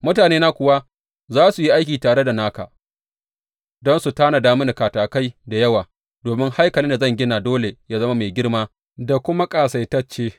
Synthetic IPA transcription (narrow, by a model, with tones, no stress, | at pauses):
mʊ˦taː˨neː˦na˦kʷʊ˨wa˦ | zaː˦su˨ji˦ʔa˦jk̬ʲiː˨taː˨ɽe˦da˨naː˦ka̰˨ | dɔ˦nsu˨taː˦na˨daː˦mʊ˦na˨kaː˨taː˨ka˦jda˨jɐ˦waː˨ | doː˨mɪ˦ŋha˦jkɐ˨lɪ˦nda˨zɐ˦ŋɡʲɪ˦na˨doː˦le˨jaː˦zɐ˦ma˦meː˨ɡʲɪ˦ɽmaː˦ | da˨kʷʊ˦ma˦kʼaː˨sa˨jtɐ˦t͡ʃːeː˦